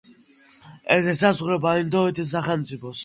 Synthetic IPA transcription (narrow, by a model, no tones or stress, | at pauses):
ɛsɛsazʁɾɛbaind̪ɔit̪ʰis̬aχɛlmt̪sʼipʰɔs